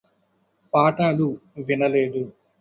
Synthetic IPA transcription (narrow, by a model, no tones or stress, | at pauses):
paːʈaːluʋinɐleːd̪u